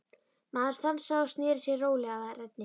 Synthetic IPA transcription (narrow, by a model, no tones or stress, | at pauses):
maːðaɾsθamsaast̪nɪːɾɪsjɛroːwlɛːɣaðarɛt̪̚nɪ